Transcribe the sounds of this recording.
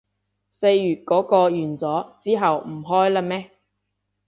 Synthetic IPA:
se˧jjyː˨t̚kɔː˨˥kɔː˧jyː˨˩nt͡sɔː˨˥t͡siː˥ɦɐ˨wm̩˨˩ɦɔː˥jla˧mɛː˥

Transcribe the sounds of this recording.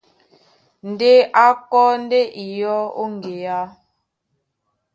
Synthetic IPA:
n̩˨de˦a˦kɔ˦n˦de˦ʔi˨jɔ˦o̰˦ŋ˨ɡe˨ja˦

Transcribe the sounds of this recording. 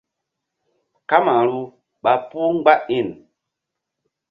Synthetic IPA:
ka˦ma˨ɾu˦ | ɓa˨pu˦ŋ˦ɡ͡ba˦i˦˨n

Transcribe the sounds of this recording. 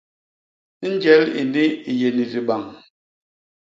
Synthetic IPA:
n̩˦d͡ʒɛ˨˦lḭ˨ni˦i˨je˨ni˨zi˨ɓa˨ŋ

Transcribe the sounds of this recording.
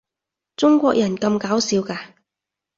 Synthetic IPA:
t͡sʊ˥ŋkʷɔː˧k̚jɐ˨˩nkɐ˧mkaː˨˥wsiː˨˧wkaː˧

